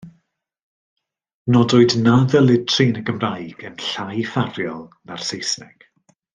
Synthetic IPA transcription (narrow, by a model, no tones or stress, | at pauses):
nɔdoɨdnaðəlˠɪtʰrinəɡəmrajɡ̥ənɬajfarjɔlˠmarsejsnɛ̰ɡ̥